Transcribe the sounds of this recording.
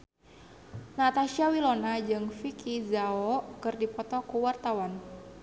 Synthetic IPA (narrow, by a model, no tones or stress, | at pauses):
nat̪aʃiawilonad͡ʒɨŋfikʰizaɔkɨrdipɔt̪ɔkuwart̪awan